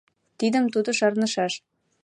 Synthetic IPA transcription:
t̪id̪ə̆mt̪ud̪ɤ̆ʃɑrnə̆ʃɑʃ

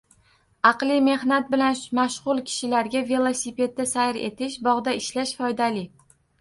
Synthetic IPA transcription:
ɑqlˠɪme̞hnat̪̚bɪlanmaʃʁʊlˠkʲʰɪ̥ʃɪlaɾɡʲave̞lˠosipe̞d̪̚d̪asaɾe̞̰t̪ʰɪʃbɒʁd̪aɪʃlaʃfɒjd̪alɪ

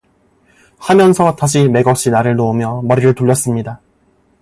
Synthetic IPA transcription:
hamjʌnsʰʌtaɕʰime̞ɡʌk̚ɕ͈inaɾɯɭnoomjʌmʌɾiɾɯɭtuʎːʌs͈ɯmɲida

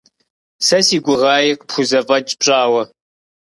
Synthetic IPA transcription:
sɐsiːɡʷʊʁaːjɛqpxʷʊzɐvʼɐt͡ʃʼpɕʼaːwɐ

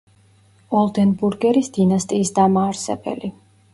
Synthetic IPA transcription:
ɔlˠd̪ɛnbuɾɡɛɾisd̪̥inast̪ʼiːsd̪amaːɾsɛ̰bɛ̰li

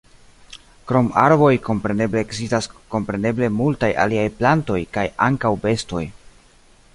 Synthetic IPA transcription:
kɾo̞maɾbo̞jko̞mpɾe̞ne̞bleːkzistasko̞mpɾe̞ne̞ble̞multaja̰liajplanto̞jkajaŋkawbe̞sto̞j

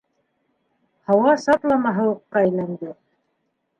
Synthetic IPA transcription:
hɑwɑsɑt̪lˠɑmɑɦɤuqːɑæjlænd̪ɘ

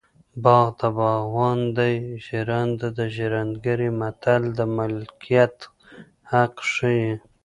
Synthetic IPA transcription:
bɑɣd̪abɑɣwɑnd̪ajʒiɾand̪ad̪əʒiɾand̪ɡaɾimat̪ald̪əmɪlkʰijat̪ | haqʂəji

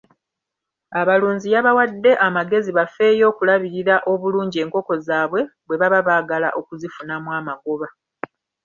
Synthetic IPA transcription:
aβaluːɲzijaβawadːe̞ʔamaɡe̞ziβafe̞jo̞ːkulaβiɾiɾaʔo̞βuluːɲɟie̞ːŋko̞ko̞zaːβwe̞βwe̞βaβaβaːɡala̰ʔo̞kuzifunamwaːmaɡo̞βa

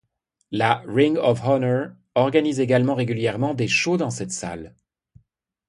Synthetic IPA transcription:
laʁiŋɔfhɔnəʁ | ɔʁɡanizeɡalmɑ̃ʁeɡʲyljɛʁmɑ̃d̪eʃod̪ɑ̃sɛt̪sa̰l

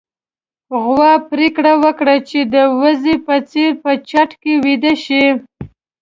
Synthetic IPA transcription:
ɣwɑpɾekɽawəkɽat͡ʃed̪əwazepət͡seɾpət͡ʃaʈkewid̪aʃi

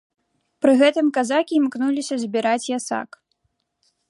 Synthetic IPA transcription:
pɾɨɣɛt̪ɨmkazakʲimknulʲisʲɐzʲbʲiɾat͡sʲjasa̰k

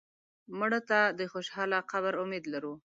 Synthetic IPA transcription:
mʊɽot̪ad̪əxoʃhɑlaqabəɾʊmed̪laɾu

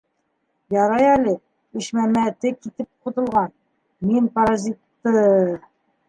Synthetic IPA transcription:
jɑɾɑjælɘ | iɕmæmæt̪ɘkit̪ɘp̚qŏt̪ɤ̆lˠʁɑn | minpɐɾazʲit̪ːɤ

